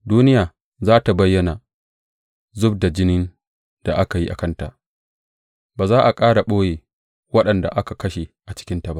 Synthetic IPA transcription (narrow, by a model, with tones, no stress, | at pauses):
duː˦nɪ˦jaː˨ | zaː˦ta˨bɐ˦jːɐ˦na˨ | zʊ˦b̚da˨d͡ʒɪ˦nɪ˦n | d̥a˨ʔa˦ka˨ji˦ʔa̰˨kɐ˦nta̰˨ʔ | baː˨zaː˦ʔa˨kʼaː˦ɽa˨ɓoː˦jeː˨ | wɐ˦ɗɐ˨nda̰˨ʔa˦ka˨kɐ˦ʃe˨ʔa˨t͡ʃɪ̥˦kʲɪ˦nta˨ba˦ʔ